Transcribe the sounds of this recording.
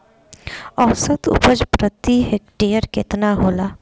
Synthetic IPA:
ɔwsət̪ʊ̰pəd͡ʒpɾət̪iɦekʈeːəɾkɪt̪naɦoːlaː

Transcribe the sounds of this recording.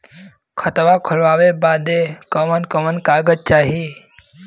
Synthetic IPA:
kʰət̪ʋakʰəɾʋaːʋebaːd̪ekəmənkəmənkaːɡəd͡ʒ̚t͡ʃaːɦi

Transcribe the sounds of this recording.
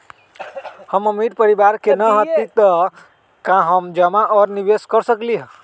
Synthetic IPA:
həməmiʈpəɾibaɾkenəɦət̪it̪ə | kãɦəmd͡ʒəmaʔɔːɾniʋeskəɾsəkliɦə̃

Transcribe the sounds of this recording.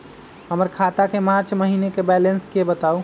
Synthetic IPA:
həməɾkʰat̪akemaɾt͡ʃməɦinekebɛlenskebət̪au

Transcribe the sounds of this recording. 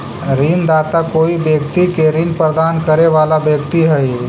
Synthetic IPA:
ɾind̪aːt̪akoːibjəkt̪ikeɾinpɾəd̪aːnkəɾeʋalabjəkt̪iɦəj

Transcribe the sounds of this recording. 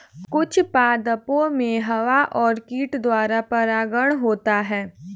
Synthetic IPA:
kʊt͡ʃʰpaːd̪əpõmẽɦɐʋaʔɔːɾkiːʈd̪waːɾapɐɾaːɡəɽ̃ɦoːt̪aɦɛː

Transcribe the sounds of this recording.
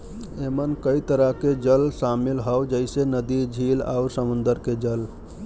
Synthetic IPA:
emənkəit̪əɾəɦked͡ʒəlsamilɦəwd͡ʒəɪsenəd̪id͡ʒʱila̰uɾsəmund̪əɾked͡ʒəl

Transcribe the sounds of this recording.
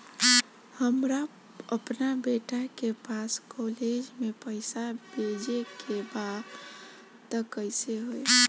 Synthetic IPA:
həmɾa | əpnabeʈakepaskɔled͡ʒmẽpəɪsabʱed͡ʒekʰebad̪ | t̪əkəɪseɦoe

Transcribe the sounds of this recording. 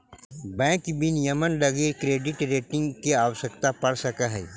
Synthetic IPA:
bɛ̃ːkbʱɪnjəmənlɐɡekɾeːɖɪʈɾeːʈɪ̃ŋɡkeaːwʃəkt̪apɐɽsɐkaɦɛː

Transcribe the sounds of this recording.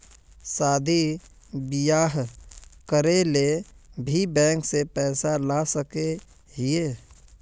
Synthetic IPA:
saːd̪ʱi | bɪjaːɦkəɾelebʱibɛ̃ːŋksepɛːsalasəke | ɦieː

